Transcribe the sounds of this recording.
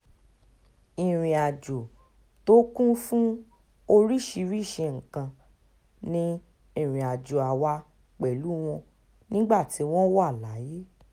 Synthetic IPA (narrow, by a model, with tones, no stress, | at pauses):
i˨ɾ̃ĩ˨a˨d͡ʒo˨ | to˦kũ˦fũ˦ | o˧ɾi˦˨ʃi˧ɾi˦˨ʃe˧ŋ̩˨kã˧ | nĩ˧˦ | i˦˨ɾ̃ĩ˨a˨d͡ʒo˨a˨wa˧ | k͡pɛ˨lu˨˦w̃ɔ̃˧ | nĩ˦ɡ͡ba˦˨ti˨˦w̃ɔ̃˦wɔ˦a˦˨la˨˦je˦